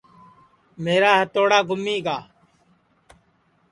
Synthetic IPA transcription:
meːɾaːɦət̪oːɽaːɡʱʊmːiːɡaː

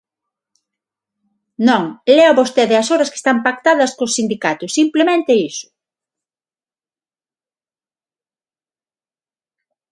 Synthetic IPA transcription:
nõŋlɛaβost̪eðɪɐsoɾɐske̥st̪ampak̚t̪aðɐskosind̪ikat̪ʊsimplemẽnt̪ɪisʊ̥

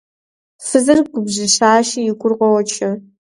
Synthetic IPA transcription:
sɨzɐrɡʷʊbʑɪɕaːʃijɪkʷʼʊrʁʷɔwɔt͡ʃʰɐ

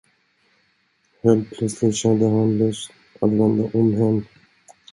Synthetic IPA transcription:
heːlt̪̚pʰlœt̪slɪt̪ɕɛnd̪əɦanlɛs | at̪vɛnd̪aʔɔmɦɛnː

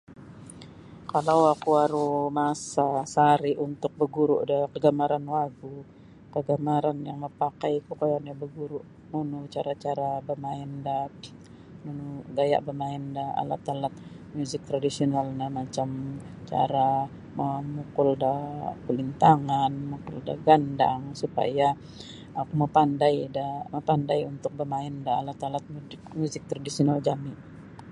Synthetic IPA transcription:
kalawakuaɾumasasaɾiʔunt̪ʊk̚bəɡuɾuʔdəkəɡamaɾanwaɡu | kəɡamaɾanjaŋməpakajkukajanjabəɡuɾuʔ | nunut͡ʃaɾat͡ʃaɾabəmaɛnda | nunuɡaja̰ʔbəmaindaa̰la̰t̪alat̪̚ | muzɪk̚t̪ɾadisionalnamat͡ʃamt͡ʃa̰ɾa | əmukʊldapəlint̪aŋanmukʊ̰lda̰ɡanda̰ŋsupa̰ja | akuməpandajdaməpandajunt̪ʊk̚bəmaɪndaːlat̪alat̪̚mukmuzɪk̚t̪ɾadisionald͡ʒami

